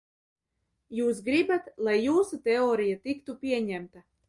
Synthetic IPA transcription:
juːsɡɾibat̪lˠajːuːsut̪ɛɔːɾijat̪ikt̪upʲiɛɲæmt̪a

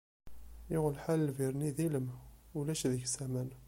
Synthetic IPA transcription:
jʊʁlħaləlviɾˤniðiləmulæʃðəçsæmæn

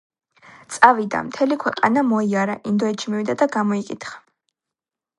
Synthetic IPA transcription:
t̪sʼavid̪a̰mt̪ʰɛlikʰwɛqʼa̰namɔiaɾaʔind̪ɔɛt̪ʃʰimivwid̪ad̪aɡamɔikʼit̪χḁ

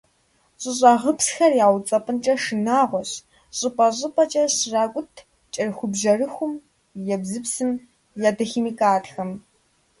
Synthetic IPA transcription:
ɕʼɪɕʼaʁəpsxɐrjaːwt͡sʼɐpʼɨnt͡ʃʼɐʂɨnaːʁʷɔɕ | ɕʼɪpʼɐɕʼɪpʼɐt͡ʃʼɐɕraːkʷʼʊtʰ | t͡ʃʼɐrxʷʊbʒɐrɨxʷʊm | jɛbzɨpsɨm | jaːdɐximiːkʼaːtxɐm

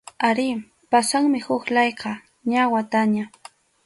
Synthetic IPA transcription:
aɾɪ | pasaŋmɪhʊklɑjqɑ | ɲawat̪aɲa

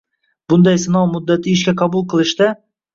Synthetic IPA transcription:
b̥ʊnd̪ɑjsɪnɑwmʊd̪ːat̪ʰɪɪːʃkʲaqʰɑbʊlˠqʰɨlˠɪʃt̪a

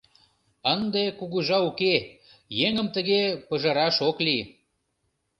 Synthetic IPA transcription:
ənd̪ekuɣuʒɑuke | jeŋəmt̪əɣepəʒəɾɑʃokli

